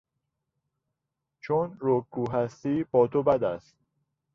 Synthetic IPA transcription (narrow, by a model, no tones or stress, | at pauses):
t͡ʃʰonɾokʰːuːɦæst̪iːbɒːt̪ʰobæd̪æst̪̚